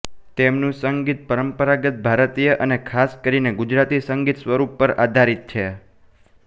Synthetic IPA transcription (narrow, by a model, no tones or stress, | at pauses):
t̪emnũsəŋɡit̪̚pəɾəmpəɾaɡət̪̚bʱaɾt̪ijəʔənekʰaskəɾineɡud͡ʒɾat̪isəŋɡit̪sʋəɾupːəɾa̰d̪ʱaɾit̪̚t͡ʃʰe